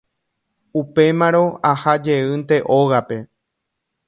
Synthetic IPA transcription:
upe̞mãɾõ̞ahad͡ʒe̞ɨnt̪e̞ʔo̞ɣape̞

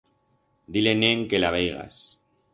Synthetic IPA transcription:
d̪ileneŋkelaβ̞ejɣa̰s

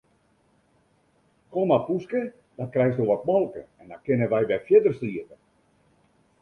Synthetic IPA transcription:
komapuskə | dɔt̚krɛjxsoʋɔt̚mɔlˠkə̰ɛndɔnkɪnəʋɛjʋɛfjɪdərsliətə

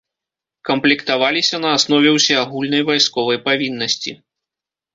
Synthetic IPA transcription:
kɐmplʲɛkt̪avalʲisʲɐn̪ɐːsnɔvʲɛwsʲɛaɣulʲnɐjvajskɔvɐjpavʲinːɐsʲt͡sʲḭ

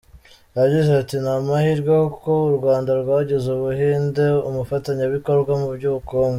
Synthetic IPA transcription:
aɟizeatinamahiɾɡwakouɾɡwaːndaɾɡwaːɟezeβuɦiːnde̞umufataɲaβiko̞ɾɡwamubɟuːβukoːŋɡe

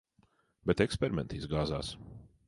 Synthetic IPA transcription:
bɛt̪ɛkspʲɛɾimʲɛnt̪izɡaːza̰ːs

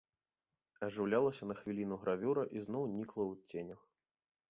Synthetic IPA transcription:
ɐʐɨwlʲalˠɐsʲɐnɐxvʲilʲinuɣɾavʲuɾɐʔiznɔwnʲiklˠɐwt͡sʲenʲɐx

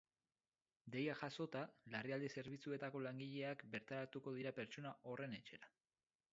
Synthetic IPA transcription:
d̪e̞jaʝaso̞t̪alariald̪ese̞ɾβit͡sue̞t̪ako̞laŋɡiʎe̞akbe̞ɾt̪aɾat̪uko̞ðiɾape̞ɾt͡ʃo̞naʔo̞re̞ne̞t͡ʃe̞ɾa

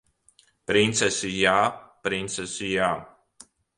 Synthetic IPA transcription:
pɾint̪sɛsijaːpɾint̪sɛsija

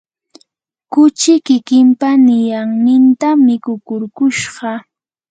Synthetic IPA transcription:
kʊt͡ʃɪkɪkɪmpanɪjaŋnɪnt̪amɪkʊkʊɾkʊʃɢɑ

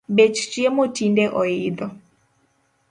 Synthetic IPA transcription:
bet͡ʃt͡ʃiemotindɛʔɔid̪ɔ

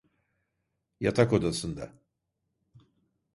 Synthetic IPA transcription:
jat̪ʰakod̪asɯnd̪a̰

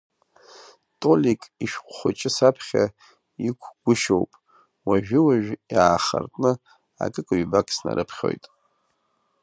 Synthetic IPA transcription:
tʼolikʼiʃᶣχʷχʷʊt͡ʃʼɪsapʰχʲa | ikʷʰɡ̥ʷʊʃowpʼ | waʒᶣɪwaʒᶣjaːχartʼnɨ | a̰kʼɨkʼaɥbakʰʼsna̰ɾʔɨpʰχʲo̞̰jtʼ

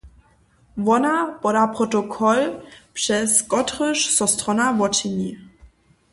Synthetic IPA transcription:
vɔnapɔdapɾɔtɔkʰɔlpʂɛskɔtʁəʂsɔstʁɔnavɔt͡ʃiɲi

